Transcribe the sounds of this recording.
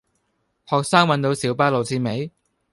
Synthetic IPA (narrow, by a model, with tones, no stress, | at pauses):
hɔː˨k̚saː˥ŋwɐ˨˧nt̪o˧wsiː˨˥wpaː˧lo˨wt͡sʰiː˧me˨˥j